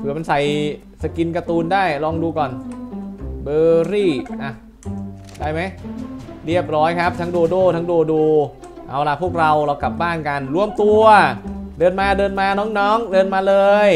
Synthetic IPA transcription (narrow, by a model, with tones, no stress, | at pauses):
pʰɯː˨˩ma˧nsa˨˩j | sa˨˩ki˧nka˧t̪uː˧ndaː˥˩jlɔː˧ŋduː˧kɔː˨˩n | bɤː˧ɾiː˥˩ʔa˧˩ | daː˥˩jma˦˥jɾi˥˩əp̚ɾɔː˦˥jkʰa˦˥p̚t̪ʰa˦˥ŋdoː˧doː˥˩t̪ʰa˦˥ŋdoː˧duː˧ | ʔa˨˩wla˦˧˩pʰu˥˩ək̚ɾa˧wɾa˧wka˨˩p̚baː˥˩nka˧nɾu˧əmt̪u˧ɐdɤː˧nmaː˧dɤː˧nmaː˧nɔː˦˥ŋnɔː˦˥ŋdɤː˧nmaː˧lɤː˧j